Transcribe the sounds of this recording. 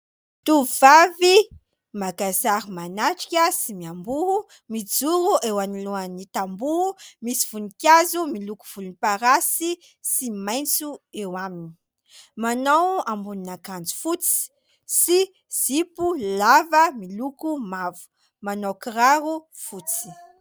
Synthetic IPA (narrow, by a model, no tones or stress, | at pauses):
t̪uvavi | makazaɾimanaʈ͡ʂi̥kʲəsimiambuɦu | mid͡zuɾuʔewaniluanit̪ambuɦumisi̥v̥unikʲazumiluku̥v̥ulunipaɾasi | simajnt͡suewamini̥ | manawambuninakand͡zu̥fut͡si̥ | si | z̥ipulavəmilukumavu̥ | manowkiraɾu | fut͡si̥